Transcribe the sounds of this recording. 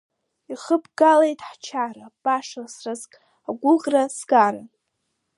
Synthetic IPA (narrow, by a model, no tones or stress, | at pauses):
iχəbɡalejtʼħt͡ʃʰarab̥aʂasrazkʼ | aɡʷʊqʼrasɡaɾa